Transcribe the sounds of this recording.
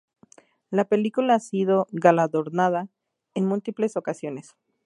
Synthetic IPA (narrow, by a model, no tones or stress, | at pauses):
lape̞likulaasiðo̞ɣalaðo̞ɾnaða | enmult̪iple̞so̞kasjo̞ne̞s